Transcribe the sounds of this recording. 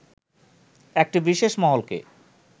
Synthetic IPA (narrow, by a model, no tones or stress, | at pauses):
ɛk̚ʈibiʃeʃmɔɦolkḛ